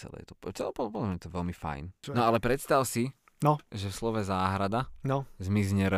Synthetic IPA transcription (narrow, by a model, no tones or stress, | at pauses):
t͡sɛ̰lɛ̰jɛ̰t̪ɔ̥pt͡sɛlɛpɔdpɔlamɲɛt̪ɔʋɛlmifa̰jnnɔalɛpɾɛt̪st̪aʊsi | nɔʒɛfslɔʋɛzaːɦɾad̪anɔzmizɲɛɾ